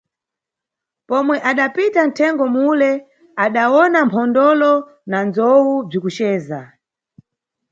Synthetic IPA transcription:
pɔmwɛʔaɗapitan̩tʰɛŋɡɔmulɛ | aɗawɔnampʰɔndɔlɔ | nanzɔwub͡ʐikut͡ʃɛːza

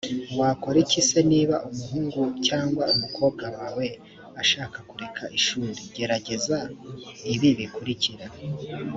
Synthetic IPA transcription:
waːko̞ɾicise̞niːβaʔumuɦuːŋɡucaːŋɡwaumukʰo̞ːb̚ɡawaːwe̞ | aʃaːkakuɾe̞kʰaʔiʃuːɾiɟe̞ɾaɟe̞zaiβiβikuɾiciɾa

